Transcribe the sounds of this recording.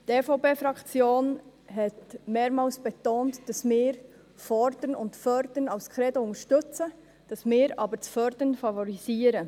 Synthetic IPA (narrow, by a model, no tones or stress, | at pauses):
teːfoʊpeːfɾɑkt͡sjoːnɦɛtmeːɾmɑːlsb̥ɛtoːntd̥ɑsmɪːɾ | fɔɾd̥ənʊ̰ntfœɾd̥ənɑʊskʰɾɛdoʊŋəʃtʏt͡sə | d̥ɑsmɪːɾɑːbəɾt͡sfœɾd̥ənfɑvɔɾiziːəɾə